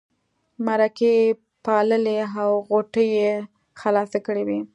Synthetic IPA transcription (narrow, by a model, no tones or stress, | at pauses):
maɾake | pɑləleawɣoʈəje | xalɑsakəɽewi